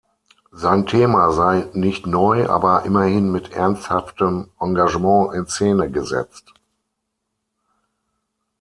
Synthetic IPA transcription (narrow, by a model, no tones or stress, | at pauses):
zaɪntʰeːmazaɪnɪçtnɔʏʔa̰ːbɐʔɪmɐhɪnmɪtʰʔɛ̰ɐnsthaftəmʔãŋɡaʒəmɑ̃ːʔɪnseːnəɡəzɛ̰t͡st